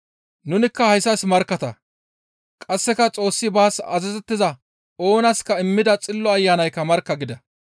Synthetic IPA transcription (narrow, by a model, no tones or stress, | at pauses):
nʊnɪkːɐhɐjsːɐsmɐɾkːɐt̪ɐ | kʼɐsːɛkɐt͡sʼo̞ːsːɪbaːsɐ̰zɛzɛt̪ːɪzɐ | o̞ːnɐskɐɪmːɪd̪ɐt͡sʼɪlːɔɐjːaːnɐjkːɐmɐɾkːɐɡɪd̪ɐ